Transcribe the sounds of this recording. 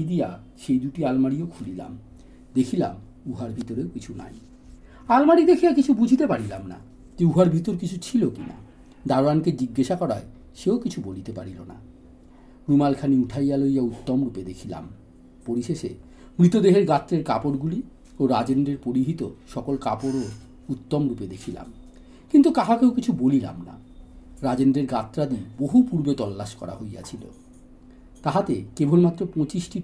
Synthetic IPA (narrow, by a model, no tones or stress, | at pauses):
id̪ija | ʃejd̪uʈialmaɽiokʰulila̰m | d̪ekʰila̰m | uɦaɾbʱit̪oɾeokit͡ɕʰuna̰j | almaɽid̪ekʰijakit͡ɕʰubud͡ʑʱit̪epaɽilamna̰ | t̪iuɦaɾbʱit̪oɾkit͡ɕʰut͡ɕʰilokina̰ | d̪aɾoanked͡ʑiɡːaʃakɔɾae | ʃeokit͡ɕʰubolit̪epa̰ɽilo̰na̰ | ɾumalkʰaniuʈʰajalojaut̪ːomɾuped̪ekʰila̰m | poɾiʃeʃe | mɾit̪od̪eɦeɾɡat̪ːɾeɾkapoɾɡuli | oɾad͡ʑenɖɾeɾpoɾiɦit̪oʃɔkolkapoɾo | ut̪ːomɾuped̪ekʰila̰m | kint̪ukaɦakeokit͡ɕʰubolila̰mna̰ | ɾad͡ʑendɾeɾɡat̪ːɾad̪iboɦupuɾbet̪ɔlːaʃkɔ̰ɾa̰ɦoja̰t͡ɕʰilo̰ | t̪aɦat̪ekebʱonmat̪ːɾopɔ̃t͡ɕisʈi